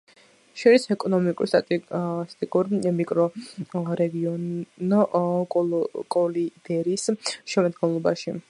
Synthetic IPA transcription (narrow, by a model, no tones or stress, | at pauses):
ʃɔɾisɛkʼɔnɔmikʼṵɾst̪ʼat̪ʼst̪ʼikʼuɾmikʼɾɔɾɛɡiɔnɔ | kʼɔlid̪̥ɛɾisʃɛmad̪ɡɔnlˠɔbaʃi